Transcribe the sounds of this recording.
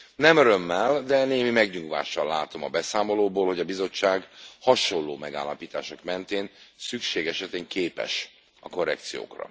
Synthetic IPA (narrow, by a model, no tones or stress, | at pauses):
nɛmøɾø̞mːɛld̪ɛneːmimɛɡɲuŋɡʋa̰ːʃɒlaːt̪o̞mɒbɛsaːmo̞loːboːlho̞ɟɒbizo̞t͡ʃːaːɡhɒʃo̞lːoːmɛɡa̰ːlːɒpiːt̪a̰ːʃo̞kmɛnt̪eːnsykʃeːɡɛʃɛt̪eːŋkeːpɛ̰ʃ | ɒko̞rːɛ̰kt̪sijo̰ːkrɒ̰